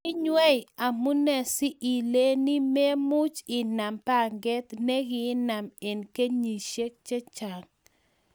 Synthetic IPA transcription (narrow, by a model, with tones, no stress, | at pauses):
ɪ˦ɲwɛ˦ja˨mʊ˦nɛ˨sɪ˦ʔi˨le˦ni˦me˦mʊ˦t͡ʃɪ˨na˨mpa˦˨ŋɡɛ˦t̪nɛ˦ɡɪ˨˦na˨me˨nke˦ɲi˨ʃe˦k̚t͡ʃe˦t͡ʃa˨ŋ